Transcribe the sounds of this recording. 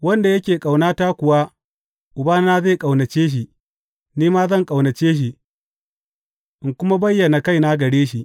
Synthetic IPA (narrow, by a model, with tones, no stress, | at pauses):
wɐ˦nda˨jɐ˦kʲeː˨kʼa˨wnaː˦ta˦kʷʊ˨wa˦ | ʔʊ˨baː˦n˦naː˦zeː˦˨kʼa˨wnɐ˨t͡ʃeː˦ʃ̬i˨ | niː˦maː˦zɐ˦˨ŋkʼa˨wnɐ˨t͡ʃeː˦ʃ̬i˨ | ʔɪ˨ŋkʷʊ˦ma˦bɐ˦jːɐ˨na˨ka˦jna˦ɡɐ˨ɽeː˦ʃi˨ʔ